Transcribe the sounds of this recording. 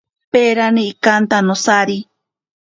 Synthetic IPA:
peɾanĩikant̪anõsaɾi

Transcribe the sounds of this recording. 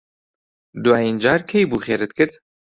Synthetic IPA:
d̪uwaːjind͡ʒaːɾkʰejbuːxeːɾɨt̪kʰɨɾd̪

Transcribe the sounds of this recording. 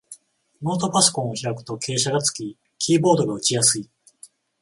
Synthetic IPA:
moːt̪o̞paso̥kõ̞ɰ̃oçiɾakɯ̟̥t̪o̞kʰe̞ːɕaɡat͡sɨ̥kʲi | kʲiːbo̞ːd̪o̞ɡaɯ̟t͡ɕijasɨi

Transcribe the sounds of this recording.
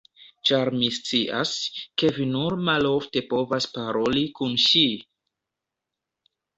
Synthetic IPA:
t͡ʃaɾmist͡siʔa̰ske̞vinuɾmalo̞fte̞po̞vaspaɾo̞likunʃi

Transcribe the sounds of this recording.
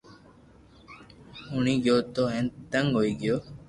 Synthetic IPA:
ʊɳĩːɡjoːt̪oːɦẽnt̪əŋɡɦoːiːɡɪjoː

